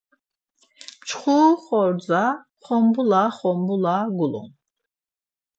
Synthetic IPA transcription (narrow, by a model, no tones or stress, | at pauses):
mt͡ʃʰχuːχɔɾd͡za | χɔmbulaχɔmbulaɡulṵn